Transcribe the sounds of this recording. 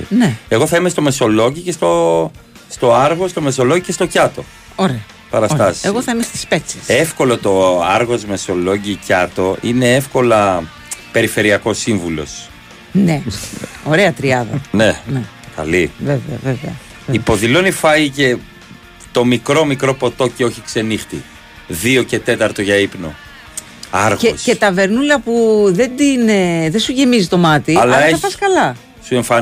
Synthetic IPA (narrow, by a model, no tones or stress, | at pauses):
nee̞ɣoθɐime̞st̪o̞me̞so̞lo̞ʝicest̪o | st̪o̞ɐɾɣo̞st̪o̞me̞so̞locice̞st̪o̞cɐt̪o̞ | oɾeɐ | pɐɾɐst̪ɐseɣoθɐimest̪i̥spet͡sesefko̞lo̞t̪o̞ɐɾɣo̞zme̞so̞lo̞ɟicɐt̪o̞ine̞efko̞lɐ | pe̞ɾife̞ɾiɐko̞siɱvulo̞̰s | neoɾeɐt̪ɾiɐðɐne̞ne | kɐ̰liveveɐveveɐ̰ | ipo̞ðilo̞nifɐice̞ | t̪o̞mikɾo̞mikɾo̞po̞t̪o̞cio̞çikse̞nixt̪ḭ | ðio̞ce̞t̪e̞t̪ɐɾt̪o̞ʝɐipno̞̰ | ɐɾɣeosce̞t̪ɐve̞ɾnulɐpuðe̞d̪inðesuʝe̞mizit̪o̞mɐt̪iɐlɐeɐpɐskɐlɐ | sue̞ɱfɐ